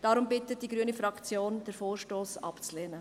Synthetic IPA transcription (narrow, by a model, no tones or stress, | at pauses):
d̥ɑɾʊmbɪtət̚d̥iɡɾyənifɾɑkt͡sjoːnd̥əɾfoːɾʃtoːsɑ̰pt͡slɛːnə